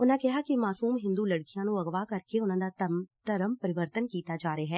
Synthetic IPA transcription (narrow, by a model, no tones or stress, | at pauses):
ʊnãkɛɦakimaːsuːmɦɪ̃nd̪ulɐɽkijãnũɐɣʋakɐɾkeʊnãd̪at̪ɐɾəmpɐɾɪʋəɾt̪ənkiːt̪ad͡ʒaːɾeɦɛː